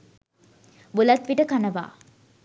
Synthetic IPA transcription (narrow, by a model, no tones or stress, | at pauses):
bulat̪ʋiʈəkanəʋa̰ː